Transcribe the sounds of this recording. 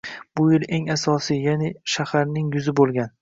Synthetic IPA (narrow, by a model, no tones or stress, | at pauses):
b̥ʊjɪle̞ŋasɒsijanɪʃahaɾnɪŋjʊzɪbolˠɡʲan